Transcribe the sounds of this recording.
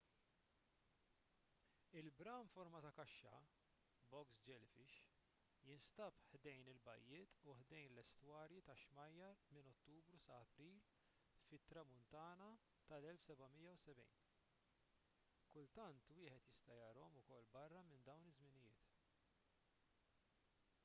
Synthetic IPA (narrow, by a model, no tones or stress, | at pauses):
ɪlbɾɐnfɔɾmɐt̪ɐkɐʃːɐ̰ | bɔksd͡ʒɛlfɪʃ | jɪnst̪ɐpħd̪ɛjnɪlbɐ̰jːɪːt̪uħd̪ɛjnlɛst̪wɐːɾjit̪ɐʃmɐjːɐɾmɪnɔt̪ːuːbɾusɐːpɾiːl | fɪt̪ːɾɐmʊnt̪ɐːnɐ | t̪ɐlɛlfsɛbɐmɪjːɐwsɛbɛ̰jn | kʊlt̪ɐnt̪wɪːħɛt̪jɪst̪ɐjɐɾɔɔmʊkɔlːbɐrːɐmɪnd̪ɐwnɪzmɪnɪjɪːt̪